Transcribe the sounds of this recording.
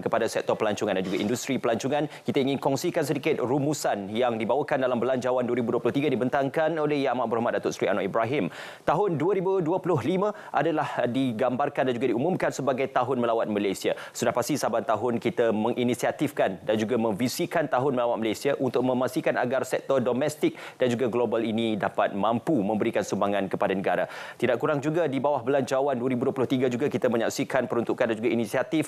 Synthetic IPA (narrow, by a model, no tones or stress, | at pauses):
kəpadasɛk̚t̪ɔpəlaɲt͡ʃuŋandand͡ʒuɡaʔindust̪ɾipəlaɲt͡ʃuŋãnkit̪aiŋɪnkɔŋsikans̬ədikɪt̪̚rumusanjaŋdibawakandalambəlaɲd͡ʒawanduəɾibuduəplʊht̪iɡadibənt̪aŋkanolɛhjamaʔbuɾahmat̪̚dat̪ʊʔsɾianɔʔibɾaɦɪm | t̪aɦʊnduəɾibuduəpulʊɦlimã | ʔadalahdiɡambarkandand͡ʒuɡadiumũmkansəbaɡajt̪aɦʊnməlawat̪̚məlajsia | sudahpast̪isabant̪aɦʊnkit̪amə̃ŋʔinisiat̪ifkandand͡ʒuɡamə̃ɱvisikant̪aɦʊnməlawat̪̚məlajsiaʔunt̪ʊk̚mə̃masikana̰ɡarsɛk̚t̪ɔrdomɛst̪ɪk̚d̥and͡ʒuɡaɡlobalinidapat̪̚mãmpumə̃mbəɾikansumbaŋankəpadanəɡaɾa̰t̪idaʔkuɾaŋd͡ʒuɡadibawahbəlaɲt͡ʃawanduaɾibuduəpulʊht̪iɡad͡ʒuɡakit̪amə̃ɲa̰ksikanpəɾunt̪ukandand͡ʒuɡainisiat̪if